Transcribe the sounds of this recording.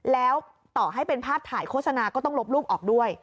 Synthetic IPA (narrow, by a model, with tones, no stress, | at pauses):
lɛː˦˥w | t̪ɔː˨˩ɦa˥˩jpe˧npʰaː˥˩p̚t̪ʰːaː˩˦jkʰoː˥˩t̪̚sa˧naː˧kɔː˥˩t̪ɔ˥˩ŋlo˦˥p̚luː˥˩p̚ʔɔː˨˩k̚du˥˩əj